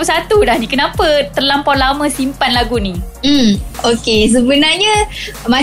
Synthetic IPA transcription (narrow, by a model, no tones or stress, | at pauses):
usat̪udahnikənãpət̪ərlampalaməsimpanlaɡunim̩okes̬əbənarɲa | ma